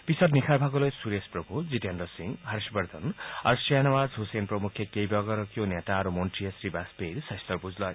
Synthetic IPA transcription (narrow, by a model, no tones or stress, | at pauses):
b̥isʌt̪nikʰaɾbʱaɡolʌjsuɾesprʌbʱud͡ziʈendʌsiŋɦʌɾʃbʌɾd̪ʱʌnʌɾsianawad͡zɦusenprʌmukʰjekejbʌɡʌɾʌkjonet̪aʌɾumonʈijʌsribasbeɾisʌjst̪ʌrbud͡zlʌj